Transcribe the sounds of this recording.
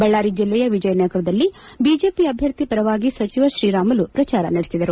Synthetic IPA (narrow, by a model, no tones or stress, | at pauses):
bɐɭːaːɾid͡ʒilːɛjɐʋid͡ʒɐjɐnjɐɡɐɾɐd̪ɐlːibiːd͡ʒe̞ːpiɐbʱjɐɾt̪ipɐɾɐʋaːɡisɐt͡ʃiʋɐʃɾiːɾaːmɐlupɾɐt͡ʃaːɾɐ̰nɐɽesid̪ɐɾu